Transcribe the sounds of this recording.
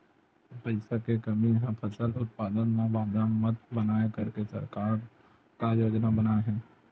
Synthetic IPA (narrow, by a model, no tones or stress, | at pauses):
pəɪsakekɐmijɐɦãpʰəsəlʊt̪̚paːd̪ənmãbãːd̪əɳmət̪bənaːekɐɾkesə̰ɾkaːɾ | kajoːd͡ʒnabənaeɦɛ̃ː